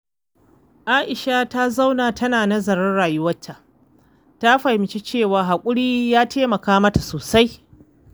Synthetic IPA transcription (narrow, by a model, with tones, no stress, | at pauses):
ʔaː˦ʔɪ˨ʃa˦ta˦za˦wnaː˨tʰɐ˦naː˨nɐ˦zɐ˨ɾɐ˦rɽaː˨jʊ˦wɐ˦tʰːa˨ʔ | ta˦ɸa˨hɪ˨mt͡ʃi˦t͡ʃeː˦˨waː˨ɦa˨kʷʼʊ˦ɽiː˦jaː˦tʰeː˦mɐ˨kaː˦mɐ˦ta˨soː˨sa˦j